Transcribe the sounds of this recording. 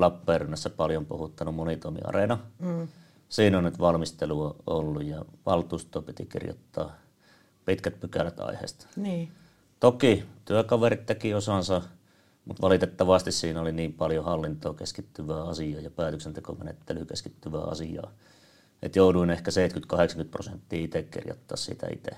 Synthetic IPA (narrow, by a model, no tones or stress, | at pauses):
lɑpːeːrynːæsːæpɑljompuhut̪ːɑnummonit̪oimḭɑ̰renɑ | siːnonnyt̪ʋɑlmist̪eluoolːujjɑʋɑlt̪uːst̪ˑoːpit̪ikḭrjo̰t̪ːɑ̰ː | pit̪kæt̪̚pykæræt̪ɑ̰ihḛːst̪niː | t̪okit̪yækɑʋerit̪t̪ekiosɑnsɑ | mut̪ʋɑlit̪et̪ːɑʋɑst̪issiːnoliniːmpɑljohɑlːint̪oːkeskit̪ːyʋæːɑsiɑːjɑpæːt̪øksent̪eko̰menḛt̪ːelyːkḛskit̪ːyʋæ̰ːɑ̰sijɑ̰ː | ʔḛt̪jouduinehkæseit̪kyt̪kɑheksɑ̥ŋkyt̪pro̰sent̪ːiːit̪ekkḭrjo̰t̪ːɑ̰ːssḭt̪æ̰ḭt̪ḛ